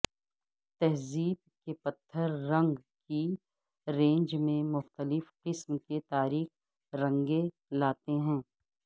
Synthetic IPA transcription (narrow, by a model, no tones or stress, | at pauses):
t̪ɛɦziːb̚ | kepɐt̪ʰːəɾːɐ̃ŋɡki | ɾẽːɲd͡ʒmẽmʊxt̪əlɪfqɪsmket̪aːɾiːx | ɾɐ̃ŋɡe | laːt̪eɦɛ̃ː